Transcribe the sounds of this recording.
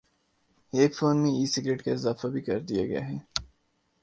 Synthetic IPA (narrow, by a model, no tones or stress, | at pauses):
eːkfoːnmẽiːsɪɡɾeːʈkaɪzaːfabʱikɐɾd̪ija̰ɡɐja̰ɦɛː